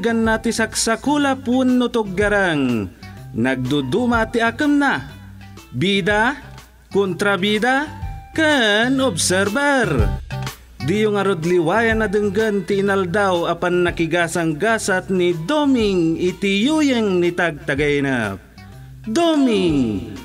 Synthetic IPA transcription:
ɡanːat̪isaksakulapwunːʊt̪ʊɡ̚ːaɾaŋ | naɡ̚d̪ud̪umat̪iakəmna | bid̪a | kʊnt̪ɾabid̪akənobsɛɾbaɾ | d̪ijʊŋɐɾod̪liwaːjanad̪ɨŋɡənt̪iːnald̪awapanːakɪɡaːsaŋɡasat̪nid̪omɪŋɪt̪ijujəŋnit̪aɡ̚t̪aɡaina̰p̚ | d̪omiŋ

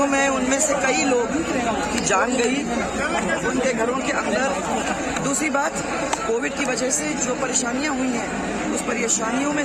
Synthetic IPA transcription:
mɛ̃ʊnmẽsekɐiloːɡʱɾeːã | kid͡ʒaːnɡɐi | ʊnkeɡʱɐɾõkeʔɐ̃nd̪əɾ | d̪uːsɾibaːt̪ | koːʋɪɖ̚kiʋɐd͡ʒɛɦsed͡ʒoːpɐɾeːʃaːnijãɦʊĩɦɛ̃ | ʊspɐɾeːʃaːnijõmẽ

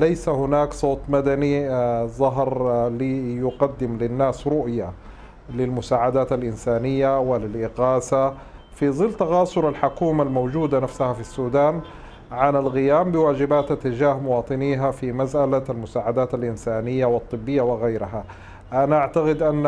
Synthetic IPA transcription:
lajsahʊnaːksˤoːt̪ˤmad̪anizˤɑɦɾlijʊɡɑd̪ːɪmlɪnːaːsɾʊʔja | lɪlmʊsaːʕad̪aːt̪alʔɪnsaːnɪjːawɪlɪlʔɪɣaːsa | fiðˤɨlːt̪aɣɑːsˤʊɾalħʊkuːmalmowd͡ʒuːd̪anafsahafisːuːd̪aːn | ʕanalɣɪjaːmbɪwaːd͡ʒɪbaːt̪at̪ːɪd͡ʒaːhmʊwɑːt̪ˤɨniːɦafimasʔalalmʊsaːʕad̪aːt̪alʔɪnsaːnɪjːawɪt̪ˤːɨbːɪjːawɪɣajɾɪɦa | ʔanaʔaʕt̪aqɪd̪ʔanː

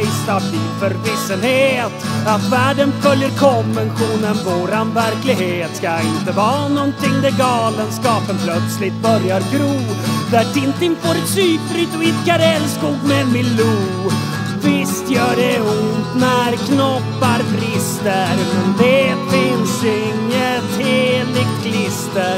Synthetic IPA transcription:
st̪a | ifœɾvɪsːənheːt̪ | at̪væːɖənfœljəɾkʰɔmvɛnɧuːnənvoːɾanvæɾklɪɡheːt̪skaɪnt̪əvɑːnɔnt̪ʰɪŋːd̪ɛɡɑːlənskɑːpənpʰlœt̪slɪt̪̚bœɾjaɾɡɾuːd̪æʈʰɪnt̪ɪnfoːɾɛt̪syːpɾʏt̪ɪt̪kʰaɾɛlskuːɡmɛmɪlu | vɪst̪jœːɖɛʊnd̪næɾkʰnɔpːaɾbɾɪst̪əɾmnd̪ɛfɪnsɪŋːət̪heːlɪɡ̚kʰlɪst̪əɾ

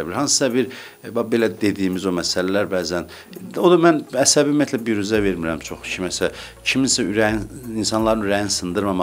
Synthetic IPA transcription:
æbiɾhɑnsɯ̥sɑbiɾ | bɑbe̞læd̪e̞d̪iːmizo̞mæsælælæɾbæːzæn | od̪ɑmænæsæbiymijæt̪ʰlæbiɾyzæve̞ɾmiɾæmt͡ʃʰo̞χcʰimæsæ | cʰiminsæyɾæninsɑnlˠɑɾɯnyɾæjinsɯnd̪ɯɾmɑmɑ

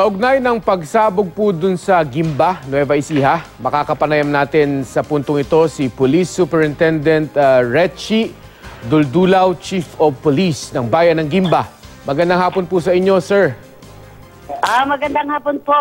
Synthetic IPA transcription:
k̪ɐʔʊɡ̚najnɐŋpɐɡ̚saːboɡ̚pʊd̪ʊnsɐɡimbanwɛvɐʔɪsiɦamɐkakɐpɐnɐjɐmnaːt̪ɪnsɐpʊnt̪oŋɪt̪o̞sipʊlisːupɛɹɪnt̪ɛnd̪ɛnt̪ɹɛt͡ʃi | d̪ʊld̪uːlɐwt͡ʃifopolisnɐŋbaːjɐnːɐŋɡimbamɐɡɐnd̪ɐŋɦaːponpʊsɐʔɪɲːo̞sɛɹ | ʔamɐɡɐnd̪ɐŋhaːponpo

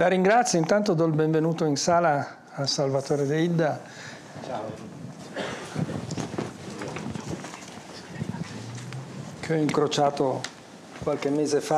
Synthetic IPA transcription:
laɾiŋɡɾat̪sːjoint̪ant̪od̪ɔilbeɱvenuːt̪oinsaːlaː | lsalvat̪oːɾed̪eid̪a | kʰeɔiŋkɾot͡ʃaːt̪o | kwalk̟emːeːzefa

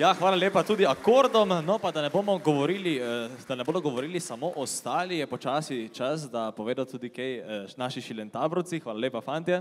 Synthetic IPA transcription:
jaxʋaːlalʲeːpat̪uːd̪iakoːɾd̪ɔmnɔpad̪anɛboːmɔɡɔʋɔɾiːlid̪anɛboːd̪ɔɡɔʋɔɾiːlisamoʔɔst̪aːlijɛpɔt͡ʃaːsit͡ʃas̬d̪apɔʋeːd̪ɔt̪uːd̪ikɛjnaːʃiʃilʲjɛnt̪aːbɾɔwt̪sixʋaːlalʲeːpafaːnt̪ia

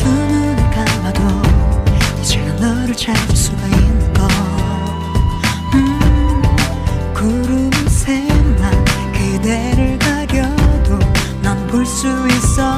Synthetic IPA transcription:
ɯnɯnikamado | it͡ɕenanʌɾut͡ɕas͈uɡainːɯnɡʌ | ɯ | kuɾumɯnsʰema | kedeɾɯɭkaɡjʌdo | namboɭs͈uis͈ʌ

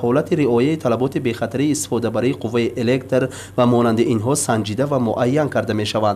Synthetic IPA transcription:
hɔlat̪ʰiɾiɔjait̪ʰalabɔt̪ibe̞χat̪ʰaɾiːst̪i̥fɔd̪abaɾiːqʰuvːaiʔele̞kt̪ɾ | vamɔnand̪iinɦɔsand͡ʒid̪avamuʔajːankʰaɾd̪ame̞ʃavand̪

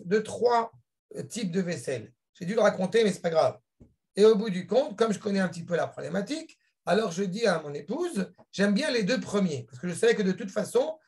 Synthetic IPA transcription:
d̪ət̪χwa | t̪ip̚d̪əvɛsɛl | ʒ̥ed̪yləʁakɔ̃t̪emɛsɛ̥paɡʁav | eobud̪ykɔ̃t̪kɔmʒəkɔnɛɛ̃pət̪ipølapχɔblɛmat̪ik | alɔʁʒəd̪iamɔ̃nepuzʒɛmbjɛ̃led̪øpχəmjepaʁsə̥kəʒəsavɛkəd̪ət̪ut̪fasɔ̃

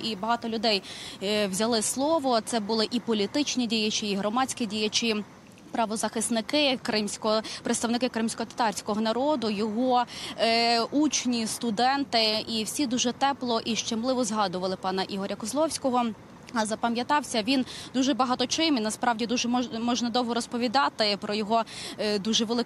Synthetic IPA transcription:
ibɐɦɑt̪ɔlʲʊd̪ɛjwzʲɐlˠɪslˠɔʋɔt̪sɛbʊlˠɪʔipɔlʲit̪ɪt͡ʃnʲidʲijɐt͡ʃiːɦɾɔmɑt͡sʲkʲidʲijɐt͡ʃi | pɾɐʋɔzɐxɪsnɪkɪkɾɪmsʲkɔɔpɾet̪st̪ɐwnɪkɪkɾɪmsʲkɔɦɔt̪ɐ̥t̪ɑrʲsʲkɔɦɔnɐɾɔd̪ʊjɔɦɔ | ut͡ʃnʲist̪ʊd̪ɛnt̪ɪiwsʲid̪uʒɛt̪ɛplˠɔʔiʃt͡ʃemlˠɪʋɔzɦɑd̪ʊʋɐlˠɪpɑnɐʔiɦɔɾʲɐkɔzlˠɔwsʲkɔɦɔ | ɐzɐpɐmʲjɐt̪ɑwsʲɐʋʲind̪uʒɛbɐɦɑt̪ɔt͡ʃɪminɐspɾɑwdʲid̪uʒɛmɔmɔʒnɐd̪ɔwɦɔɾɔspɔʋʲid̪ɑt̪ɪpɾɔjɔɦɔd̪uʒɛʋelˠɪ

